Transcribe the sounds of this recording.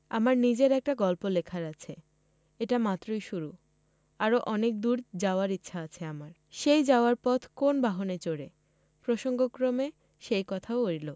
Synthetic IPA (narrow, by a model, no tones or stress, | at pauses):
amaɾnid͡ʑeɾɛk̚ʈaɡɔlpolekʰaɾat͡ɕʰe | eʈamat̪ːɾojʃuɾu | aɾoʔɔnek̚d̪uɾd͡ʑaoaɾitːɕʰaat͡ɕʰeamaɾ | ʃejd͡ʑaoaɾpɔt̪ʰkonbaɦonet͡ɕoɽe | pɾoʃoŋɡokɾome | ʃejkɔt̪ʰaooɾilo